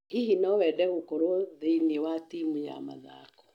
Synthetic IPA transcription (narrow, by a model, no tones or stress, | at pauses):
ihinɔwɛdɛɣokɔɾoðeiniewatimuɲa̰ma̰ða̰kɔ̥